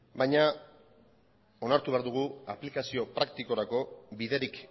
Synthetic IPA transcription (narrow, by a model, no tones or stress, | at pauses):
bajɲa | o̞naɾt̪uβeaɾðuɣ̞uaplikasio̞pɾak̚t̪iko̞ɾako̞biðe̞ɾik